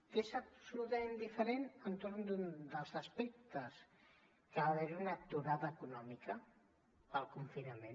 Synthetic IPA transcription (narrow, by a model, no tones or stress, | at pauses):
kezəpsulut̪ɐmend̪ifəɾenənt̪oɾnd̪und̪əlˠzəspɛk̚t̪əs | kəβaβeɾiunət̪uɾaðəːkunɔmikə | pəlˠkuɱfinɐmẽ